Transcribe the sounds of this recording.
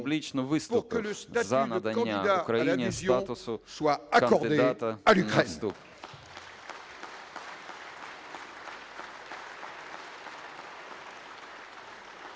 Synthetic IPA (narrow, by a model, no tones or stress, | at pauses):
blʲit͡ʃnʊvɪst̪ʁkələst̪azanɐd̪ɐ̃aaʊkɾɐjinʲezjt̪at̪ʊsʊswaakɐɔd̪ɨd̪ed̪at̪ɐalykɛst̪up